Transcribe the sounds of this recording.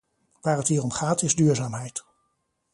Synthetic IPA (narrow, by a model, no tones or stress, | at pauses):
ʋaːrətɦiːrɔmχaːtɪzdyːɹzaːmɦɛjt